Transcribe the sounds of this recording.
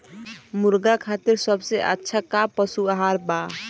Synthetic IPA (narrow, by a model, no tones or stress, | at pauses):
muɾɡakʰat̪iɾsəbseʔətːʃʰakapːəsuaɦaɾba